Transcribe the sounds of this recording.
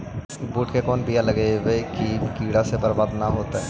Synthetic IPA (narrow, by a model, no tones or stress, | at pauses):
buːʈkekɔːnbijalɐɡeʋekikiːɽasebɐɾbaːd̪naɦoːt̪aɦɛ